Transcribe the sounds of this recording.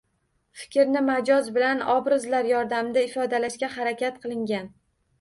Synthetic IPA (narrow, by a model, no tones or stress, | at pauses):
fɪ̥kʲɾnɪmad͡ʒɒzbɪlanɒbɾɪzlaɾjɒɾd̪amd̪aɪfɒd̪alaʃkʲahaɾakʲat̪qʰɨlˠɪŋɡʲan